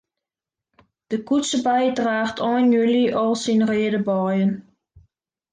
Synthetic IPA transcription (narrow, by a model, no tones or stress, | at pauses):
d̥əkutsəbajdraːxtʰɔːnjyliʔɔlˠsinreədəbɔjən